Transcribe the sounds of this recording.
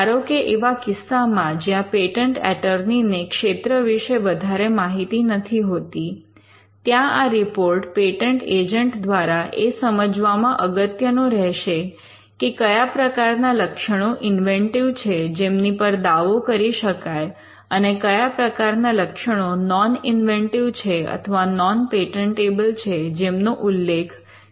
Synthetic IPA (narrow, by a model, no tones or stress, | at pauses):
aɾokeʔeʋakɪsːamãd͡ʒjãpeʈəɳʈɛ̰ʈəɾninekʃet̪ɾəʋiʃeʋəd̪ʱaɾemaɦit̪inət̪ʰiɦot̪i | t̪jãaɾipoɾʈpeʈəɳʈed͡ʒəɳʈd̪ʋaɾaʔesəməd͡ʒʋamãʔəɡət̪jənõɾɛɦʃe | kekəjapɾəkaɾnaləkʃəɽ̃oʔɪnʋẽɳʈiʋt͡ʃʰed͡ʒemnipəɾd̪aʋokəɾiʃəkaj | ənekəjapɾəkaɾnaləkʃəɽ̃onɔnɪnʋeɳʈiʋt͡ʃʰeə̰t̪ʰəʋanɔnpeʈəɳʈebəlt͡ʃʰed͡ʒemnoʔulːekʰ